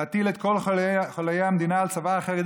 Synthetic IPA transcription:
at̪ilet̪ko̞lχolajeamd̪inaːlt͡savaːχeʁi

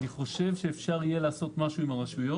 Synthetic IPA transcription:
niχo̞ʃe̞vʃe̞ːfʃaʁije̞laːso̞t̪maʃuimaʁaʃujo̞

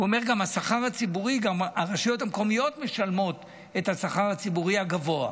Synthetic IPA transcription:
uome̞ʁɡamhasaχaʁat͡sibuʁiɡamaʁaʃijo̞thamko̞mijo̞tme̞ʃalmo̞t | e̞thasaχaʁat͡sibuʁiaɡavo̞a̰

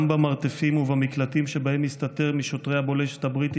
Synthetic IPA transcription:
mbamaʁt̪efimuvamiklatimʃebahe̞mist̪ate̞ʁmiʃo̞t̪ʁe̞jhabo̞leʃet̪habʁit̪

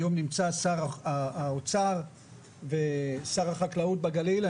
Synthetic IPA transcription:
omnimt͡sasaʁaaot͡saʁ | vesaʁaχaklaut̪̚baɡalila

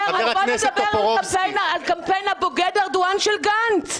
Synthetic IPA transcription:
bodabeʁalapenalkampejnaboɡed̪aʁd̪uanʃelɡant̪

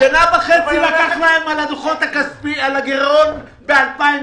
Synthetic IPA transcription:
elabaχelilakaχlaemalad̪oχot̪hakaspialaɡeʁon | bealpai

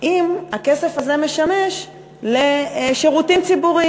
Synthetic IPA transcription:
ʔimake̞se̞faze̞me̞ʃame̞ʃ | leʃeʁutimt͡sibuʁi

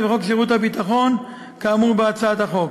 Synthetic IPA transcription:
veχokʃiʁut̪habit̪aχo̞n | kaːmuʁbeat͡saat̪haχo̞k

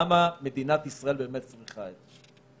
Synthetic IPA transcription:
amame̞d̪inat̪isʁae̞lbe̞ːmet̪̚t͡sʁiχaet̪

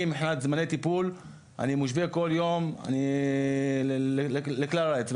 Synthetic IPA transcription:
imiħnat̪zmanet̪ipul | ʔa̰nimuʃbikoljoma̰ni | leklalaet͡s

